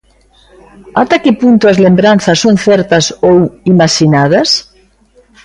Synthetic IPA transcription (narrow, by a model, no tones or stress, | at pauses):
at̪akɪpunt̪ʊɐzlembɾanθɐsːoŋθɛɾt̪ɐsowimaʃinað̞ɐs